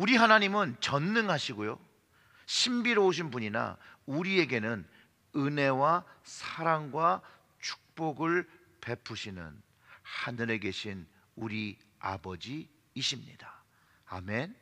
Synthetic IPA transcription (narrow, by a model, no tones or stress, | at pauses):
uɾiɦanaɲimɯnt͡ɕʌnːɯŋɦaɕʰiɡojo | ɕʰimbiɾooɕ̬ʰinbuɲina̰uɾie̞ɡe̞nɯn | ɯne̞wasʰaɾaŋɡwa | t͡ɕʰu̥k̚p͈oɡɯɭ | pe̞pʰuɕʰinɯ̰n | hanɯɾe̞ɡe̞ɕʰin | uɾi | a̰bʌd͡ʑiː | ɕʰimɲḭd̥a | a̰men